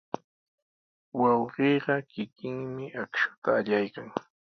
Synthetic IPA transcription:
wɑwɢeːɢɑkɪkɪŋmɪʔakʃʊ̥t̪aːʎajkaŋ

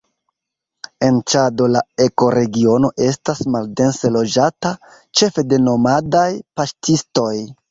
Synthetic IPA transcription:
e̞nt͡ʃado̞lae̞ko̞ɾe̞ɡio̞no̞ʔe̞stasmalde̞nselo̞d͡ʒata | t͡ʃe̞fe̞de̞no̞madajpastisto̞j

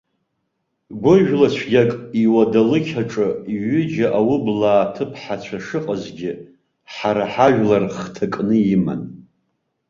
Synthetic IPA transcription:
ɡʷʊʒᶣlat͡ɕʷʰɡʲakʼiwadalɨkʲʰaʈ͡ʂʼɨiɥʏd͡ʒaʔawʊblaːtʰɨpʰħat͡ɕʷʰaʂɨqʼəzɡʲɪ | ħaɾaħaʒᶣlarχtʰakʼnɨima̰n

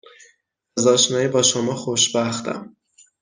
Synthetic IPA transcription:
æzɒːʃnɒːjiːbɒːʃomɒːxoʃbæxt̪ʰæ̰m

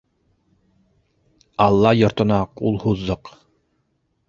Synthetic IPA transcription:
ɑlˠːɑjɒɾt̪ŏnɑqulˠhuzːoq

